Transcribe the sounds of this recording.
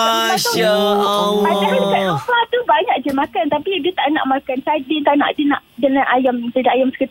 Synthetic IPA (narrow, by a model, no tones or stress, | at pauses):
aa | mat̪aasaʔsɔklat̪ubaɲãk̚d͡ʒəmakant̪apidiət̪aʔna̰ʔmakansadit̪aʔna̰ʔdinaʔdəlanʔajamdədaʔajamsə̥kət̪